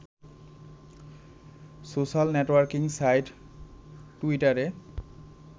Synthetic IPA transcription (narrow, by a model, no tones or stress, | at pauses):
sosalnetwaɹkiŋsajtː | uitaɹe